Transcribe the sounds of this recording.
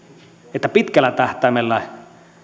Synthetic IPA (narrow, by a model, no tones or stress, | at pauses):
et̪ːæpit̪kælːæt̪ɑht̪ɑimelːɑ